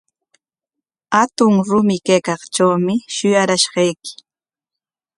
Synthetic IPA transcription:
hat̪ʊŋɾʊmɪkajkɑχt͡ʃawmɪʃʊjaɾaʃɢɑjkɪ̥

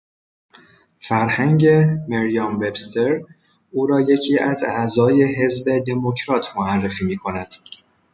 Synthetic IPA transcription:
fæɾhæŋɟe̞meɾijɒːmbebst̪ʰe̞ɾ | uːɾɒːje̞cʰiːʔæzæzɒːje̞ɦe̞zbed̪e̞mo̞cʰɾɒːt̪ʰmoærːe̞fiːmiːkʰo̞næd̪̥

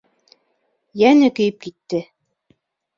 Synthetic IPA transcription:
jænɘkɵ̆jɘp̚kit̪ːɘ

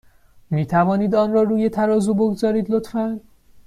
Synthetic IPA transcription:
miːt̪ʰævɒːniːd̪ɒːnɾɒːɾuːje̞t̪ʰæɾɒːzuːboɡzɒːɾiːd̪lot̪fæn

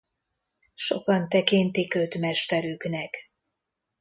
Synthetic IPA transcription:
ʃo̞̰kɒnt̪ɛkint̪ikøt̪mɛʃt̪ɛɾyknɛk

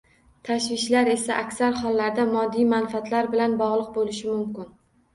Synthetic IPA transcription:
t̪ʰaʃvɪʃlaɾe̞saʔakʲsaɾhɒlˠːaɾd̪amɒd̪ːijmanfat̪ʰlaɾbɪlanbɒʁlˠɨq̚bolɪʃɪmʊmkʲɪn

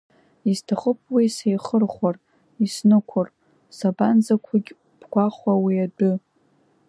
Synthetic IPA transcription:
iztʰaχəpʰʼwisejχərχʷar | isnɨkʷʰar | saband͡zakʷʰaɡʲ | b̥ɡʷaχʷawiadɨ

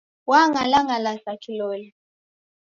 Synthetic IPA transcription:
waŋalaŋalasakʰilɔːli

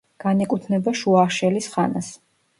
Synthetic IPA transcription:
ɡ̥anɛkʼut̪ʰnɛbaʃuaʃɛlisχa̰nas

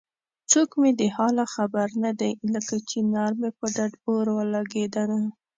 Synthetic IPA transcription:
t͡sokmed̪əhɑlaxabaɾnad̪ajləkat͡ʃenɑɾmepəɖaɖoɾwəlɑɡed̪ana

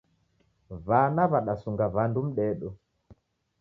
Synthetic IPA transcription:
vanaβaɗasuŋɡavandum̩ɗɛɗɔ

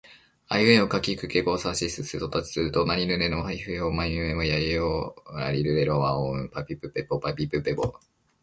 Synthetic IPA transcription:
ajɯẽokakʲikɯ̟keɡo̞ːsaːɕisɨsɨso̞t̪at͡ɕi̥sɨɾɯ̟t̪o̞naɾʲinɯ̟ɾenohaiɸɯ̟jomainɯ̟emojaeoa̰ɾʲiɾɯɾeɾoβaõpapʲipɯ̟pepopapʲipɯpebo̰

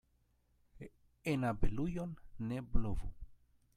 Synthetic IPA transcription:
enabelujonːeblovu

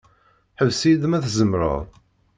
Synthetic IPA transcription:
ħəvsid̪mæθzəmɾə̰ðˤ

